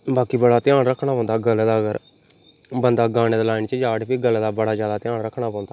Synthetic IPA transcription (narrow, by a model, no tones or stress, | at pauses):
baːkiːbəɽaːt̪ɪjãːnɾəkʰːɽaːɔ̃ːnd̪aːɡəld̪aːəɡəɾ | bənd̪aːɡaːɽ̃eːd̪laːɪnt͡ʃəd͡ʒaːɽpiːɡəlːd̪aːbəɽaːzjaːd̪aːt̪ɪjaːnɾəkʰːɽaːpɔ̃ːnd̪aː